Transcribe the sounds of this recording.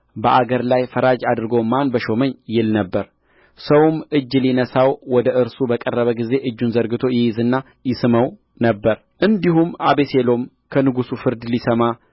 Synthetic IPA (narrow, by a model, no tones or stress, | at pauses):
bəʔaɡəɾlajfəɾad͡ʒad̪ɨɾɡo̞manbəʃo̞məɲːjɪlnəbːəɾ | səwmʔɨd͡ʒːlinəsawwɔd̪əʔɨɾsubəkʼərːəβəɡize̞ʔɨd͡ʒːunzəɾɡɨt̪ʰo̞jɪjɪzɨnːa | jɪsɨməw | nəbːəɾ | ʔɨnd̪ihumʔaβe̞selo̞m | kʰənɨɡusufɨɾd̪lisəma